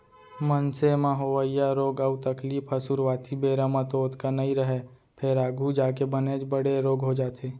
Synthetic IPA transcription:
mənsemãɦoʋaijaɾoːɡəbt̪əkliːpʰɐsuɾʋaːt̪ʰibeːɾamãt̪oːt̪kanɐĩɾəɦe | pʰeɾaːɡʱud͡ʒaːk̬ebəned͡ʒbəɽeɾoːɡɦod͡ʒaːt̪ʰeː

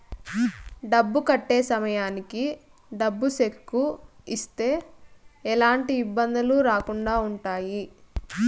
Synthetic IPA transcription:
ɖɐbːukɐʈːe̞ːsɐmɐjaːniki | ɖɐbːuʃekːu | ist̪e̞ː | ɛlaːɳʈiːbːɐnd̪ɐluɾaːkuɳɖaːuɳʈaːji

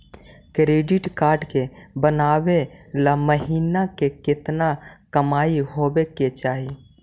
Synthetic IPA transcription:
kɾeːɖɪʈkaːɾɖkebənaːwelaməɦiːnakekɪt̪nakəmaːiɦoːbeket͡ʃaːɦi

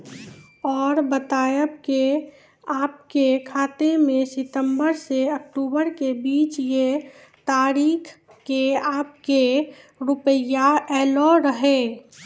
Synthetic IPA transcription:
ɔːɾbət̪aːjəbke | aːpkekʰaːt̪emẽsɪt̪ə̃mbəɾseək̚ʈuːbəɾkebiːt͡ʃje | t̪aːɾiːkʰ | keaːp̚ke | ɾʊpəjaɛːlɔɾəɦe

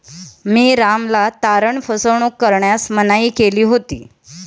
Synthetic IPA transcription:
miːɾamlat̪aɾəɳfəsəɳ̃okːəɾɳjasmənaiːkeliːɦot̪ḭː

